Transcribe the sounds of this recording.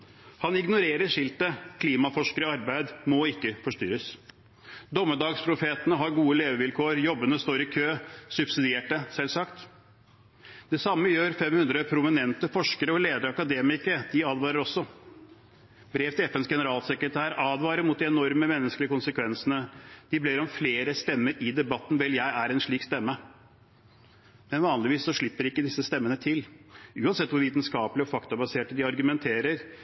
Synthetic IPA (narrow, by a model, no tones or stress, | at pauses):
hɑnɪɡnʊɾeːɾəʂɪlt̪əkʰliːmɑfɔʂkəɾəɔɑɾbæɪd̪mɔɪkːəfɔʂt̪y̰ːɾəs | d̪ɔmːəd̪ɑːɡspʰɾʊfeːt̪ənəɦɑɾɡuːəleːʋəʋɪlkʰoːəɾjɔbːənəst̪oːɾɪkʰøːsʉb̥sɪd̪ɪeːʈəsɛlsɑkt̪ | d̪̥ɛsɑmːəjøːɾfɛmhʉnd̪ɾəpʰɾʊmɪnɛnt̪əfɔʂkəɾəɔleːd̪əɾɑkɑd̪eːmɪkəɾd̪̥ɪɑːd̪ʋɑːɾəɾɔsːɔ | bɾeːʋt̪ɪɛfɛnsɡɛnəɾɑːlsɛkɾət̪ʰæːɾɑːd̪ʋɑːɾəɾmuːt̪̚d̪ɪɛnɔɾməmɛnːəsklɪəkʊnsəkʰʋɛnsənəd̪̥ɪbliːɾɔmfleːɾəst̪ɛmːəɾɪd̪ɛbɑt̪ːn̩ʋɛljæɪæɾɛnʂɭiːkst̪ɛmːə | mɛnʋɑːnlɪʋiːsːɔʂɭɪpːəɾɪkːəd̪ɪsːəst̪ɛmːənət̪ʰɪlʉːɑnsɛt̪ːʋʊɾʋiːt̪nskɑːpəlɪɔfɑkt̪ɑbɑseːʈːəd̪ɪɑɾɡʉmɛnt̪ʰeːɾəɾ